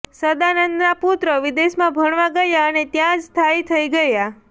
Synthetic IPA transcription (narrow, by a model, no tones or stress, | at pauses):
səd̪anənd̪naput̪ɾəʋid̪eʃmãbʱəɳ̃ʋaɡəjaənet̪jãd͡ʒst̪ʰait̪ʰəiɡəja